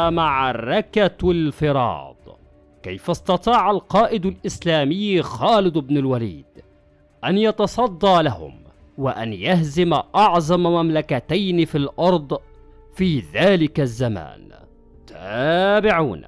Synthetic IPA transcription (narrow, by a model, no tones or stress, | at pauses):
maʕrˤːɑkalfɪɾˤɑ̰ːd̪̥ˤ | kajfasˤt̪ɑt̪ˤɑːʕalqɑːʔɪd̪alʔɪslaːmɪjːxaːlɪd̪ɪbnɪlwalḭːd̪ | ʔanjɑt̪ɑsˤɑd̪ˤːɑːlahʊ̰m | wɪʔa̰njahzɪmaʔɑʕzˤɑmmamlakat̪ajnɪfilʔɑɾˤd̪ˤ | fiːðaːlɪkazːama̰ːn | t̪ʰabɪʕuːn